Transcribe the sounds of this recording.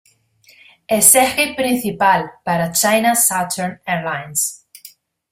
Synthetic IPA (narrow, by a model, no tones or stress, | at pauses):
esexipɾĩnθipalpaɾat͡ʃajnasat̪eɾneɾlajns